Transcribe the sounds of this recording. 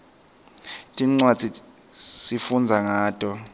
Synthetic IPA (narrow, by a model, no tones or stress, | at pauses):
tʼiŋ͡ǀwad̥ʱi | sifund͡zʱaŋaːtʼɔ